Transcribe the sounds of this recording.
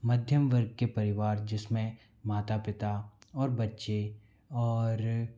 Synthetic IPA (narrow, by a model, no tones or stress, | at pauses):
mɐd̪ʱjəmʋəɾɡ̚kepɐɾɪʋaːɾd͡ʒɪsmẽ | maːt̪apɪt̪aɔːɾbɐtːʃe | ɔːɾ